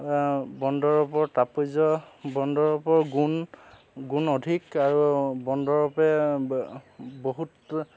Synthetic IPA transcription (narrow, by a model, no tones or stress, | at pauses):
bɔndɔɹɔpɔɹtapojzɔbɔndɔɹɔpɔɹɡun | ɡunodʱikaɹubɔndɔɹɔpɛ | boɦut